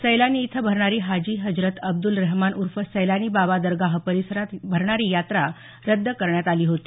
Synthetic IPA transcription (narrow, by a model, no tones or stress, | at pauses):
səjlaniːt̪ʰəbʱəɾɳ̃aɾiːɦad͡ʑiːɦəd͡ʑɾət̪əb̚d̪ulɾəɦmanʔuɾfəsəjlaniːbabad̪əɾɡaɦəpəɾisəɾat̪bʱəɾɳaɾiːjat̪ɾa | ɾəd̪ʱːəkəɾɳjat̪aliːɦot̪i̥